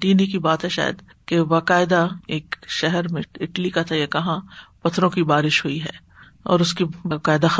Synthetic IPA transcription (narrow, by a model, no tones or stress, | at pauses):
ʈiːnikibaːt̪ɦɛʃa̰ːjə̰d̪ | kebaːkaːɪd̪aeːkʃɛɦɛɾmẽɪʈlikat̪ʰajakɐɦãpɐt̪ʰːɾõkibaːɾɪʃɦʊiɦɛː | ɔ̰ːɾʊskibakaːɪd̪ax